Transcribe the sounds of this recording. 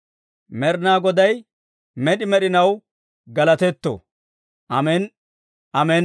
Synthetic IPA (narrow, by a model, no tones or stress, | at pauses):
mɛɾnaːɡɔd̪ɐj | mɛɗɪmɛɗɪnɐw | ɡɐlɐt̪ɛt̪ːo̰ | ʔɐmɛn | ʔɐmɛn